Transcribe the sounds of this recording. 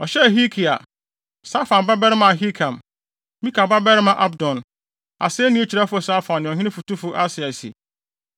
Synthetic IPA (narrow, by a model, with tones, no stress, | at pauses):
ɔ˨ɕɛ˦˨ɦi˦kʰi˨a̰˨ | sa˦fã˨mba˦bɛ˦ɾɪ˦mã˨a˨ɦi˦kʰã˨m | mĩ˦ka˨ba˦bɛ˦ɾɪ˦mã˨ʔa˦bdɔ̃˨n | a̰˨sɪ˦nĩ˦e˦t͡ɕʰi˨ɾa˦fʊ˦a˨sa˦fã˨ñː˨ɔ̃˨ɦɪ̃˦nɪ̃˦fu˨tu˦fʊ˨ʔa˦sɪ˨a˨sḭ˨